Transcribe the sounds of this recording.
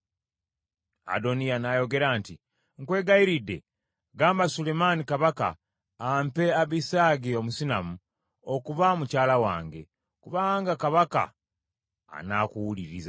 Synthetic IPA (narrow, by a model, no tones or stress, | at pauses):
a̰do̞nijanajo̞ɡe̞ɾaːnti | ŋkwe̞ːɡaiɾidːe | ɡaːmbasulemanikaβaka̰ː | mpeaβisaɡio̞musina̰mu | okuβamucaːlawa̰ːŋɡe̞̰ | kuβaːŋɡakaβaka̰ː | nakuwuliɾiza